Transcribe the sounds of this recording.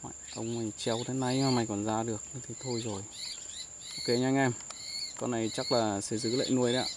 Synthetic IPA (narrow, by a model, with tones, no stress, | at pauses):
ma̰ː˧˨jʔə˧wŋ͡mə˨˩t͡ɕɛ˧˨wt̪ʰe˨˦na˧jaː˨˩ma˨˩jkɔ˨˩nzaː˧ɗɨ˨˩ək̚nɨ˨˦t̪ʰi˨˩t̪ʰo˧jzo˨˩j | ʔo˧˦ke˧ɲaː˧ŋɛ˧mkɔ˧nːa˨˩jt͡ɕa˦˥k̚laː˨˩sɛ̰˧˥zɨ̰˨˦˥lḛː˧˨jnu˧əjɗa̰˧˨